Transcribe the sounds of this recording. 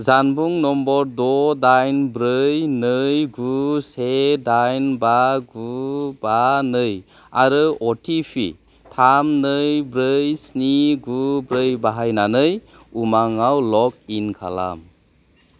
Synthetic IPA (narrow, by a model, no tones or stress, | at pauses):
zanbuŋnɔmbɔɾdɔdajnbɾɯjnɯjɡusedajnbaɡubanɯj | aɾɯɔtʰipʰḭ | tʰamnɯjbɾɯjsniɡubɾɯjbaɦajnanɯj | umaŋawlɔk̚inkʰa̰la̰m